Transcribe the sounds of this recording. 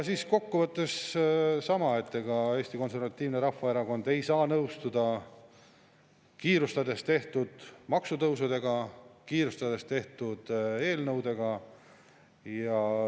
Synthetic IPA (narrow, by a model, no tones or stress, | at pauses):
ɑsiːsko̞kːuvɤt̪ːˑe̞ssɑmɑe̞t̪ːeɡ̥ɑe̞ːst̪iko̞nse̞rvɑt̪ːiːvneɾɑfvɑeɾɑɡo̞nd̪̥e̞jsɑːnɤwst̪ud̪ɑ | kiːɾust̪ɑd̪e̞st̪e̞ht̪ud̪̥mɑksut̪ɤwsud̪̥e̞ɡ̥ɑkiːɾust̪ɑd̪e̞st̪e̞ht̪ud̪̥e̞ːlnɤwd̪e̞ɡ̥ɑ | jɑ